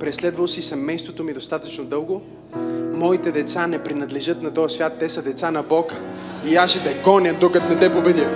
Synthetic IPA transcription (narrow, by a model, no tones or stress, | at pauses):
pɾɛslɛd̪vɐlˠsisɛmɛjst̪vot̪omid̪ost̪at̪ət͡ʃnod̪ɤlˠɡo | mɔit̪ɛd̪ɛt̪sanɛpɾinɐd̪lɛʒɤt̪nɐt̪ɔjɐsvʲjat̪ːɛsɐd̪ɛt̪sanɐbɔkə̥iaʃɛd̪ɐɡɔnʲəd̪okɐt̪nɛt̪ɛpobɛd̪